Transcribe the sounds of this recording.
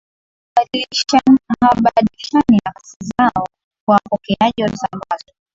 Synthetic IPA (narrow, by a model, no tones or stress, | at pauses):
ɓaliʃanɦaɓaɗiʃaniaksizaɔ | kwapɔkɛaʄɔzalazɔ